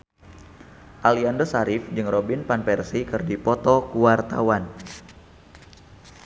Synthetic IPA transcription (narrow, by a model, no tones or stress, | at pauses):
ʔaliandɔsaɾɪfd͡ʒɨŋrobinpanpɛrsikɨrdipɔt̪ɔkuwart̪a̰wan